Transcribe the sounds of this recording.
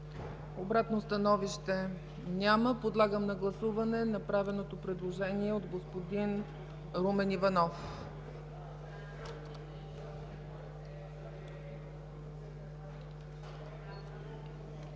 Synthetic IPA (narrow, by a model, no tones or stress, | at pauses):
obɾat̪nost̪ɐnɔviʃt̪ɛ | nʲaməpod̪lˠaɡəmnɐɡlˠɐsuvɐnɛnɐpɾavɛnot̪opɾɛd̪lˠoʒɛniɛod̪ɡospod̪in | ɾumɛnivɐnɔf